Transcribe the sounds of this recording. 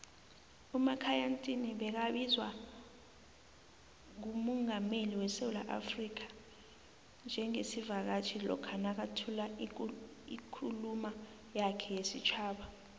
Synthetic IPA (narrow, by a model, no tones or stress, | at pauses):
umakʰajantʼiniɓɛk̬aɓizwa | ŋ̬umɔŋameliwɛsewula̰ʔa̰frik̬ʰḁ | nd͡ʒʱɛŋesivak̬at͡ʃʰilɔ̰kʰanak̬atʰula | ikʰuluma | jakʰɛjesit͡ʃʰaːɓa